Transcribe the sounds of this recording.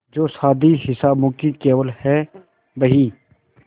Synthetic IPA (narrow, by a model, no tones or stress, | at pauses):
d͡ʒoːsaːd̪iɦɪsaːbmʊ̃ːkikeːʋəlhɛː | bəɦiː